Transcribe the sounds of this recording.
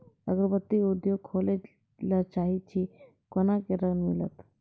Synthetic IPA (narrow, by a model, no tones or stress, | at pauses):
əɡəɾbət̪ːiud̪joɡ̚kʰoːle | lat͡ʃaːɦit͡ʃʰi | konakeɾənmḭlət̪